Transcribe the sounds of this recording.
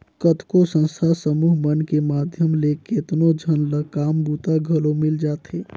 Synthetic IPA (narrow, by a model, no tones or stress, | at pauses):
kət̪ʰkosə̃nst̪ʰasəmuːɦmənkemad̪ʱjəmleket̪nod͡ʒʱənləkaːmbut̪aɡʱəlomɪld͡ʒaːt̪ɦeː